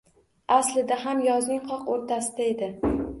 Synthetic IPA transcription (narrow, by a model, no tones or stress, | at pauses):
aslɪd̪aɦamjɒznɪŋqʰɒqoɾt̪ʰasɪd̪ae̞d̪ɪ